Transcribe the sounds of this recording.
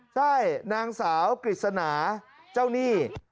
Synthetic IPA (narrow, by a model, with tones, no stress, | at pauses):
t͡ɕʰa˥˩jnaː˧ŋsaː˩˦wkɾi˨˩t̪̚sa˧naː˩˦ | t͡ɕa˥˩wniː˥˩